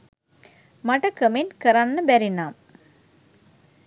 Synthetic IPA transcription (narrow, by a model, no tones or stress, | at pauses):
maʈəkəmenkəɾanːəbæɾinaːm